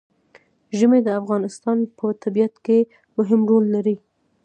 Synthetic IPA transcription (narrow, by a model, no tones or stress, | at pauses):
ʒəmed̪əafɣɑnɪst̪ɑnpət̪ʰabijat̪ke | mʊɦɪmɾolːaɾi